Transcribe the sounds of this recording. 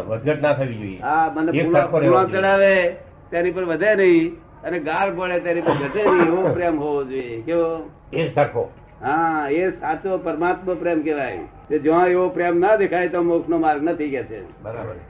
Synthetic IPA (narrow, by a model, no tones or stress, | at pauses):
ʋəd̪ɡəʈnat̪ʰəʋid͡ʒojḛɦamənːepulouãt͡ʃəɭaʋe | t̪janipəɾʋəd̪ʱenəɦĩ | əneɡaɾbəɭet̪janipəɾɡʱət̪enəɦĩeʋopɾemɦoʋod͡ʒoekeo | esaɾkʰo̰ | ɦãesat͡ʃopəɾmat̪məpɾemkeʋaj | ked͡ʒəãeʋopɾemnəd̪ekʰajt̪omoksnomaɾɡnət̪ʰikɛt͡ʃʰḛbəɾabəne